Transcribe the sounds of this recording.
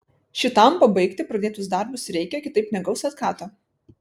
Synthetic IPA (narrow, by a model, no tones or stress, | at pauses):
ʃʲɪt̪ɐˑmpɐbɐɪkt̪ʲɪpɾɐd̪ʲeːt̪ʊsd̪ɐˑɾbʊsɾʲɛɪkʲɛkʲɪt̪ɐɪpːʲnʲɛɡɐʊsɐt̪kɑːt̪ɐ